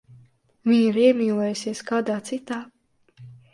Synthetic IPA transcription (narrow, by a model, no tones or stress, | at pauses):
viɲiɾiɛmiːlˠɔjusiɛskaːd̪aːt̪sit̪aː